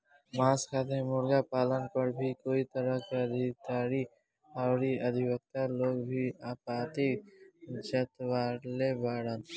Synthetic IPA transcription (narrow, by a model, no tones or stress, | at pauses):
maːskaːt̪ẽmʊɾɡapaːlənpəɾbʱikoːit̪əɾəkeəd̪ʱid̪aːɾi | aːɾiɐd̪ʱibək̚t̪aloːɡbʱiapaːt̪e | d͡ʒɐt̪waːlebaːɾən